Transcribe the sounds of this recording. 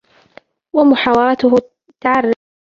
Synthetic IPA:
wamʊħaːwɑɑɾˤɑt̪ʊɦʊ | t̪aʕarː

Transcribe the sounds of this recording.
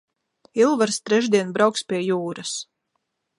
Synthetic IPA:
ilˠvaɾst̪ɾɛʒd̪iɛnbɾawkspʲiɛjuːɾas

